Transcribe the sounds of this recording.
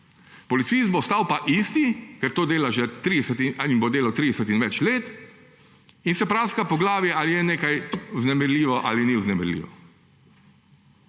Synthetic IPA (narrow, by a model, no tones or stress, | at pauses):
pɔlit̪sist̪̚bost̪aːwpaʔiːst̪ikɛɾt̪oːd̪eːlaʒɛt̪ɾid̪ɛsɛt̪inbod̪eːlawt̪ɾiːd̪ɛsɛt̪inʋɛt͡ʃleːt̪ | insɛpɾaːskapɔɡlaːʋjɛʔalijɛneːkajuznɛmɛɾliːʋɔʔa̰ːliniwznɛmɛɾlʲḭːʋɔ